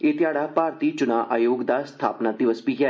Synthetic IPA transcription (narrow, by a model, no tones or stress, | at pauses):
eːt̪ɪjaːɽaːpaːɾt̪iːt͡ʃʊnaːʔaːjoːɡd̪aːst̪ʰa̰ːpnaːd̪ɪʋəspika